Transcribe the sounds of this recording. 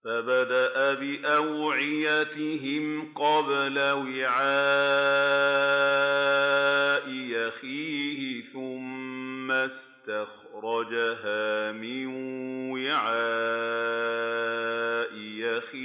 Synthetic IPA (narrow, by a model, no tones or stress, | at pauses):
fabad̪aʔabɪʔawʕɪjat̪ɪɦɪmqɑblawɪʕaː | ʔɪjaxiːhɪθʊmːas | t̪ax | ɾˤɑd͡ʒaɦaːmɪnwɪʕa | ʔɪjaxiː